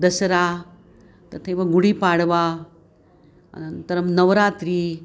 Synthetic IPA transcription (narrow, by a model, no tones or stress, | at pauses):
d̪ɐsɾa | t̪ɐt̪ʰeʋɐɡuɽipaɽʋa | ɐ̰nɐnt̪ɐɾɐmnɐʋɾaːt̪ɾi